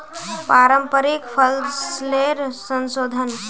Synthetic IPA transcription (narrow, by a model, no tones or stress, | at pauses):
paːɾəmpəɾikpʰəlsleɾsənsoːd̪ʱən